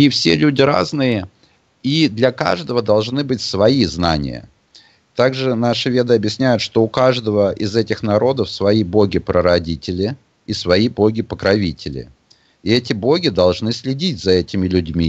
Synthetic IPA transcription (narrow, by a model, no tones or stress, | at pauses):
ifsʲelʲʉdʲɪɾa̰znɨjə | id̪lʲɐka̰ʐd̪əvəd̪ɐlˠʐnɨbɨt̚ʲsvɐiznanʲɪ̰jə̰ | t̪aɡʐɨnaʂɨvʲe̞d̪ɨɐbʲjɪsʲnʲæjʊt̪ʂt̪oʊkaʐd̪əvəʔɪzɛtʲɪxnɐɾo̞d̪əfsvɐibo̞ɡʲɪpɾəɾɐdʲitʲɪlʲɪː | svɐibo̞ɡʲɪpəkɾɐvʲitʲɪlʲɪ̰ | ɪɛtʲɪbo̞ɡʲɪd̪ɐlˠʐnɨsʲlʲɪdʲitʲzɐɛtʲɪmʲɪlʲʉdʲmʲi